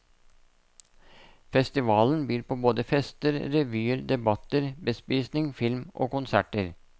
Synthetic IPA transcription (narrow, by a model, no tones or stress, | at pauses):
fɛst̪ɪʋɑːln̩byːɾpʰoːboːd̪əfɛst̪əɾɾɛʋyːəɾd̪ɛbɑt̪əɾbəspiːsnɪŋfɪlmʔo̰ːkʊnsæʈəɾ